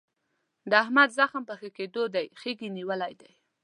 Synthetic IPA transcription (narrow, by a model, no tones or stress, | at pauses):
d̪əahmad̪zaxəmpəxəked̪od̪ajxeɡiniwəlajd̪aj